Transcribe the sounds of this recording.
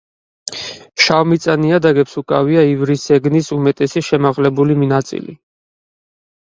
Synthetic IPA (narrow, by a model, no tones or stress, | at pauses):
ʃavmit̪sʼaniad̪aɡɛpsukʼaviaivɾisɛɡnisumɛt̪ʼɛsiʃɛmaʁlɛbuliminat̪sʼḭlḭ